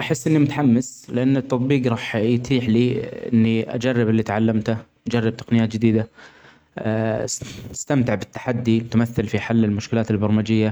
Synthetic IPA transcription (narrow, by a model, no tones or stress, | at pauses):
ʔaħɪsːʔɪnːimʊt̪ħamːɪslɪʔanːɪt̪ːɑt̪ˤbiːqɾˤɑːħjt̪ʰiːħliːʔɪ̰nːiʔa̰d͡ʒarːɪbɪlːit̪ʕalːamt̪aʔad͡ʒarˤːɪb̚t̪ḁqnɪjaːt̪d͡ʒɪd̪iːd̪a | ɪ̥st̪amt̪ɪʕbɪt̪ːḁħad̪ːit̪amaθːɪlfiħalːɪlmʊʃkɪlaːt̪ɪlbɑɾˤmad͡ʒɪjːa